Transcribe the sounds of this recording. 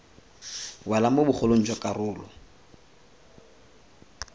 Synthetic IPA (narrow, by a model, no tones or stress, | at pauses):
wɛlamobʊχolon̩t͡ʃʼɔkʼarʊːlɔ̰